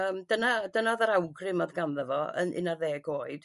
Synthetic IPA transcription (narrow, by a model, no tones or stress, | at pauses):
əːmdənadənaðəɾawɡrɪmɔðɡanðɛvɔə̰nɪ̰narðeːɡoːɨd̥